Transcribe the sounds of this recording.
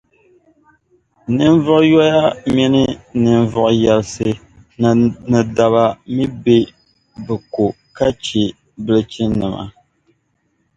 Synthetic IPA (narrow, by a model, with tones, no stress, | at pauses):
nɨ˦n˦vʊ˦ʔjɔ˦ja˦mi˦nɨ˦nɨ˨ɱ˨vɔ˨ʔjɛ˨lsɨ˨ | nɨ˨da˨βa˨mi˦be˦ | bɨ˨ko˨ | ka˦t͡ʃi˨ | bɨ˦lɨ˦t͡ʃi˦nɨ˨ma̰˨